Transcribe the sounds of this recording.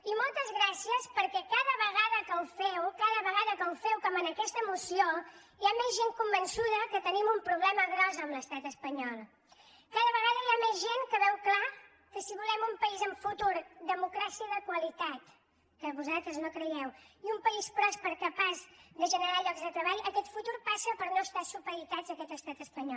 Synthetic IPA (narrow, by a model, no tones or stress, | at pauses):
imɔlˠt̪əzɣɾasiəspəɾkɛkaðəβəɣ̞aðəkəwfɛwkaðəβəɣaðəkəwfɛwkɔmənəkɛst̪əmusio | jamɛzʒeŋkumbənsuðəkət̪ənimumpɾuβlɛməɣɾɔzəːmləst̪at̪əspəɲɔlˠ | kaðəβəɣaðəjamezʒeŋkəβɛwkla | kəsiβulɛmumpəizəɱfut̪uɾd̪əmukɾasiəðəkwəlit̪at̪ | kəβuzalˠt̪ɾəznokɾəɛwiumpəispɾɔspəɾkəpazd̪əʒənəɾaʎɔɡzðət̪ɾəβaʎʔəkɛt̪fut̪uɾpasəpəɾnoəst̪asupəɾit̪ad͡zəkɛt̪əst̪at̪əspəɲɔ